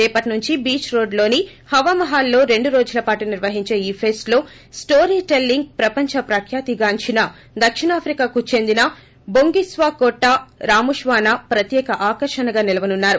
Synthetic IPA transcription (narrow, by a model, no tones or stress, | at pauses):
ɛːpɐʈinuɲt͡ʃibiːt͡ʃɾo̞ːɖlo̞ːni | hɐʋamɐɦaːlːo̞ːɾe̞ɳɖuɾo̞ːd͡ʒulɐpaːʈuniɾʋɐɦiɲt͡ʃe̞ːiːpʰeːsʈlo̞ː | sʈoːɾiːʈe̞lːiŋɡ̚pɾɐpɐɲt͡ʃɐpɾɐkʰjaːt̪iɡaːɲt͡ʃinɐ | d̪ɐkʂiɳaːpʰɾikaːkut͡ʃe̞nd̪inɐ | boŋɡisʋaːkoʈːaɾaːmuʂʋaːnapɾɐt̪jɛːkɐʔaːkɐɾʂɐnɐɡaːnilɐʋɐnunːaːɾu